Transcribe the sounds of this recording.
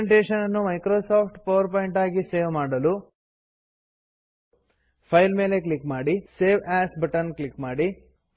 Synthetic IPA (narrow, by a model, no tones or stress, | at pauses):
ɳʈeːʂɐnɐnːumɐjkɾoːsaːpʰʈpɐʋɐɾpoːjiɳʈaːɡise̞ːʋmaːɽɐlu | pʰɐjlme̞ːle̞klikːmaːɽiseːʋaːsbɐʈɐnklikːmaːɽi